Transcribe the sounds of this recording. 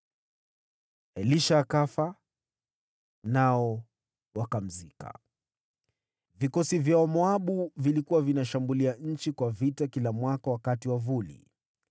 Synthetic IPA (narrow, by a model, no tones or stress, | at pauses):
ɛliʃaːkafa | naɔ | wakam̩zika̰ | vikɔsivjaɔmɔaɓuvilikuwavinaʃambuliaɲ̩t͡ʃikwavitakilamwakawakatiwavulḭ